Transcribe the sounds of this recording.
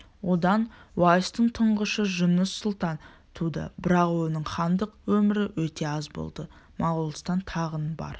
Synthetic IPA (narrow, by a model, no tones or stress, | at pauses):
wo̞d̪ɑnwɑjəst̪əɴt̪ʰəɴʁəʃəʒʊnəsːʊlˠt̪ɑn | t̪ʰud̪ə̰bɪɾɑqwo̞nəɴχɑnd̪əqwɵmɪɾɪwɵt̪e̞ɑzbo̞̰lˠd̪ə | mɑʁulˠəst̪ɑnt̪ʰɑʁənbɑ̰ɾ